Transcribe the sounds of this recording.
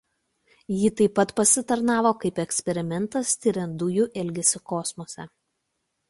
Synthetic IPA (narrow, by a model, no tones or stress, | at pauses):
jiːt̪ɐɪpːɐt̪pɐsʲɪt̪ɐɾnɑːʋoːkɐɪpɛksʲpʲɛɾʲɪmʲɛnˑt̪ɐst̪ʲɪɾʲɛnd̪ʊjuʔɛlʲɡʲɛsʲɪkɔsmoːsʲɛ